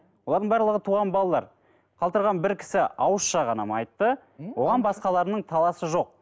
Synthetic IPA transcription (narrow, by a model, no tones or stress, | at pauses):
wolˠɑɾd̪əɴbæɾlˠəʁət̪ʰuʁɑnbɑlˠɑlˠɑɾ | qʰɑlˠt̪əɾʁɑnbɪɾkʲʰɪ̥sɪɑwəsʃɑʁɑnɑ̰mɑ̰jt̪ːə | wo̞ʁɑnbɑsqɑlˠɑɾənəɴt̪ʰɑlˠɑsəʒo̞q̚